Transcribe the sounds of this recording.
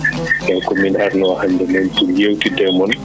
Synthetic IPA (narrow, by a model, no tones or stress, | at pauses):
jɛwkɔminaɾnɔwahandɛmɛnpuljewtidɛmɔn